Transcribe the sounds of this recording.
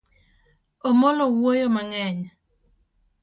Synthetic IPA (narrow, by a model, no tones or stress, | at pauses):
omɔlɔwojomaŋɛɲ